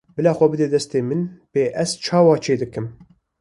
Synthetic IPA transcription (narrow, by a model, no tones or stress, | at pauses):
bɨlɑːxʷɛbɨd̪eːd̪ɛst̪eːmɨnb̥eːʔɛz̥t͡ʃʰɑːwɑːt͡ʃʰeːd̪ɨkɨm